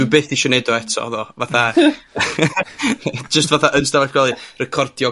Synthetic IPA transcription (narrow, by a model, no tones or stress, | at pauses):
ɪbeːθdiʃɔnɛdɔɛtʰɔ̰ðɔvaθa | d͡ʒəstvaθaʔənstavatkʰwɛlˠɨrɛkʰɔrd̥jɔ